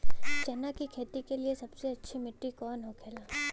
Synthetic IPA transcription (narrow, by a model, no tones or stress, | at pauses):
t͡ʃɛnakikʰeːt̪ikeliesɐbseɐtːʃʰimɪʈːikɔːnɦokʰeːlaː